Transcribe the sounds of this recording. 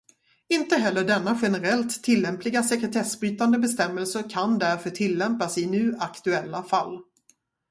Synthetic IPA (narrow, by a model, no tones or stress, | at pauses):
ɪnt̪əɦɛlːəɖɛnːaɧɛnəɾɛlt̪ʰːɪlːɛmplɪɡasɛkɾɛt̪ʰɛsbɾyːt̪and̪əbɛst̪ɛmːəlsəɾkʰand̪æɾfœʈʰɪlːɛmpasɪnʉ̟ːʔakt̪ɵɛlːafalː